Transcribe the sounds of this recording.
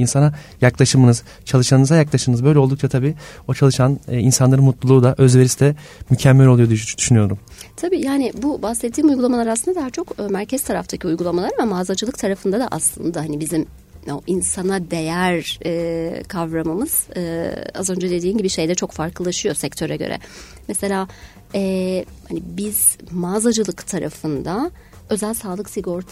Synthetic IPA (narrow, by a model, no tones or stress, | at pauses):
insana | jaklˠaʃɯmɯnɯz̥ | t͡ʃʰalˠɯʃanɯnɯzajaklˠaʃɯmɯnɯzbøjlʲɛod̪ukt͡ʃʰat̪ʰabiːo̞t͡ʃʰalˠɯʃanːinsanlˠaɾɯnmut̪lˠulˠuːd̪aʔø̞zve̞ɾist̪ʰɛ | mycʰɛmːælʲo̞lˠujo̞d̪yd̪̥yʃynyjo̞ɾum | t̪ʰabiːjaːnɪbubahsɛt̪ʰːiːmujɡulˠamalˠaɾasɯnd̪ad̪aɦat͡ʃʰo̞kːmæɾcʰɛz̥t̪ʰaɾaft̪ʰacʰiujɡulˠamalˠaɾamamaːzad͡ʒɯlˠɯk̚t̪ʰaɾafɯnd̪ad̪a̰ʔaslˠɯnd̪ahanibizim | oʔinsanad̪e̞jæɾɛːkʰavɾamɯmɯz̥ɯːa̰zø̞nd͡ʒad̪e̞d̪iːmɟibiʃe̞jd̪ɛt͡ʃʰo̞kfaɾkʰɯlˠaʃɯjo̞sɛc̚t̪ʰø̞ɾɛɟø̰ɾɛ̰ | mese̞lʲaː | ɛhanibiz̥maːzad͡ʒɯlˠɯkt̪ʰaɾa̰fɯnd̪a | ø̞zælʲsaːlˠɯksiɡo̞ɾt̪ʰ